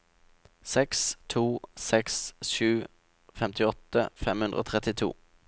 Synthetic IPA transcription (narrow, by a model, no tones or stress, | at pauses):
sɛkst̪ʰuːsɛksʃʉː | fɛmt̪ɪɔt̪əfɛmʉnd̪ʁəo̰ːt̪ʰʁɛt̪ɪt̪ʰṵː